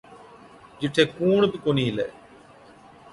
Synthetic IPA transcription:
d͡ʒɪʈʰːeːkuːɳbɪkoːniːɦlḛː

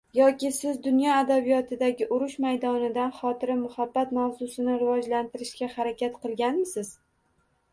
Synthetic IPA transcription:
jɒkʲɪsɪzd̪ʊnjɒad̪abijɒt̪ʰɪd̪aɡʲɪʔʊɾʊʃmajd̪ɒnɪd̪anχɒt̪ʰɪɾɪmʊhabːat̪mawzʊsɪnɪɾɪvɒd͡ʒlant̪ʰɪɾɪʃkʲahaɾakʲat̪qɨlˠɡʲanmɪsɪz̥

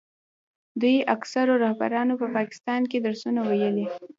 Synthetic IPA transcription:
d̪ujaksaɾoɾahba̰ɾɑnopəpɑkɪ̥st̪ɑnked̪əɾsunawajəli

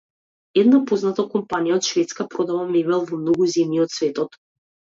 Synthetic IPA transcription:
ɛd̪napoznat̪akɔmpanijaɔt̪ʃvɛt̪skapɾod̪avamɛvɛlˠvɔmnoɡuzɛmjiɔt̪svɛt̪ɔt̪

